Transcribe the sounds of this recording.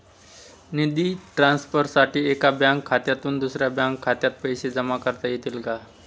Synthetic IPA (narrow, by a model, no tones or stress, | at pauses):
nid̪iːʈɾansfəɾsaʈiːekabjãŋkʰːat̪jat̪uːnd̪usɾjabjaŋkʰːat̪jat̪̚pəjɕed͡zəmakəɾt̪ajet̪iːlka